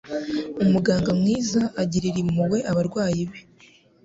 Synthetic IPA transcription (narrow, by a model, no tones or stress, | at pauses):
umuɡaːŋɡamŋiːzaʔaɟiɾiɾimuwe̞ʔaβaɾɡwaːjiβe